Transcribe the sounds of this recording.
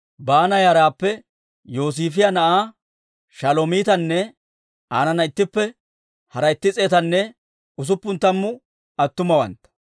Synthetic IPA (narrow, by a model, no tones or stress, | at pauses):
baːnɐjɐːɾaːpːɛ | jo̞ːs̬iːfɪjanɐʔaː | ʃɐloːmiːt̪ɐnːɛ | aːnɐnɐɪt̪ːɪpːɛ | hɐɾɐɪt̪ːɪt͡sʼeːt̪ɐnːɛ | ʊs̬ʊpːʊnt̪ːɐmːʊ | ɐt̪ːʊmɐwɐ̰nt̪ɐ̥